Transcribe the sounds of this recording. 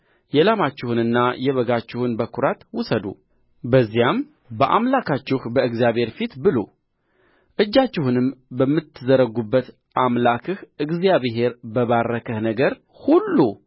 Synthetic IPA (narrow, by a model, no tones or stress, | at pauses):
jɛlamat͡ʃːɪhunɨnːajɛβəɡat͡ʃːɪhʊnbəkʰuɾat̪wʊsəd̪ṵ | bəzːijam | bəʔa̰mlakʰat͡ʃːɪhbəɨɡzijaβhe̞ɾfit̪bɨlo | ʔɨd͡ʒːat͡ʃːɪhunɨmbəmːɨt̪ːɨzəɾəɡubːət̪ | ʔamlakʰɨhɨɡzijaβɦe̞ɾbəβarːəkʰəhnəɡəɾ | hulːu